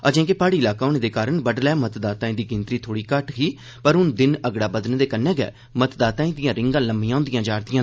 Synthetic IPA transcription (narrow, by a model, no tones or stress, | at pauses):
əd͡ʒɛ̃ːkepaːɽiːɪlaːkaoːneːd̪eːkaːɾəɳbəɖlɛːmət̪d̪aːt̪ãːĩːd̪iːɡɪnt̪ɾiːt̪ʰoːɽiːkəʈɦiː | pəɾɦʊnd̪ɪnəɡɽaːbəd̪nd̪eːkənːɛ̃ːɡɛ̰ː | mət̪d̪aːt̪ãːĩːd̪ɪjãːɾɪ̃ŋɡãːləmːĩjãːnd̪ɪjãːd͡ʒaːɾt̪ɪjãː